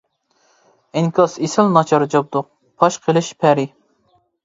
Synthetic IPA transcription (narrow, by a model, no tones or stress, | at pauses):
ɪŋkʰɑsesɪlnɑt͡ʃʰɑɾd͡ʒɑp̚d̪ʊq̚ | pʰɑʃqʰəlˠɪʃpʰæɾɪ